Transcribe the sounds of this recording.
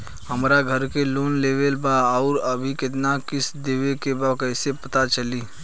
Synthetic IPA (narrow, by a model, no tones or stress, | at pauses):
hɐmɾaɡʱəɾkeloːnleːʋelbaɔːɾɐbʱikɪt̪nakɪsd̪eːʋekebakɛːsepɐt̪at͡ʃəliː